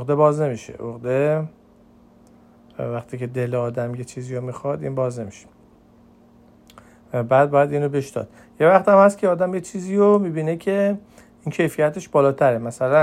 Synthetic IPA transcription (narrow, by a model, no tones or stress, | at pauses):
ɣd̪e̞bɒːzne̞miʃḛʔoɣd̪e̞ | væχt̪ʰiːcʰe̞d̪e̞leɒːd̪æmjet͡ʃʰiːziːjomixɒd̪ḭnbɒːzne̞miʃe̥ | bæːd̪̚bɒːjæd̪iːnobe̞ʃd̪ɒ̰ːd̪̥ | je̞væχt̪æmhæst̪cʰeɒːd̪æmjet͡ʃʰiːziːjomiːbiːne̞cʰe̞ | iːncʰe̞jfijæt̪ʰe̞ʃbɒːlɒːt̪ʰæɾemæsælæ